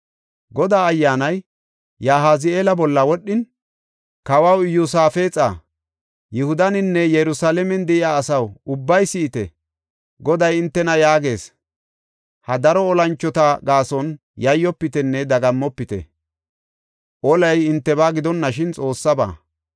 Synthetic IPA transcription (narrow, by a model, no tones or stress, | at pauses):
ɡɔd̪aːɐjːaːnɐj | jaːɦaːzɪeːlɐbɔlːɐwɔɗːɪn | kɐwɐwɪjʊsaːfe̞ːt͡sʼa̰ː | jɪhʊd̪ɐnɪnːɛjɛɾʊsalɛmɛnd̪ɛʔɪjaːsɐwʊbːɐjsɪːt̪ɛ | ɡɔd̪ɐjɪnt̪ːɛnɐjaːɡe̞ːs | hɐd̪ɐɾɔːlɐnt͡ʃːɔt̪aɡaːsɔn | jɐjːɔpːɪt̪ɛnːɛd̪ɐɡɐmːɔpːɪt̪ɛ̰ | ʔɔlɐjɪnt̪ːɛbaːɡɪd̪ɔnːɐʃɪnt͡sʼo̞ːsːɐba̰ː